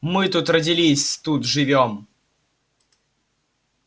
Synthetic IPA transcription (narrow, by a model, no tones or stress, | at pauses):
mɨt̪ut̪rədʲɪlʲisʲt̪ut̪ʐɨvʲom